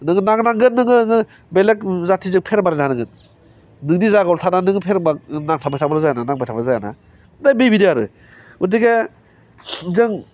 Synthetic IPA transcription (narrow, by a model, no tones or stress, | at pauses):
nɯŋɯnaŋnaŋɡɯnːɯŋɯɯ | belek̚zatʰizɯŋpʰeɾbaɾenʰanɯŋɡɯn | nɯŋdizaɡɔltʰananɯŋɡpʰeɾɯbak̚naŋtʰabajtʰabɾɯzajananaŋbajtʰabɯzajana̰ | ɯdajbejbidiaɾɯ̰ | udiɡa | zɯŋ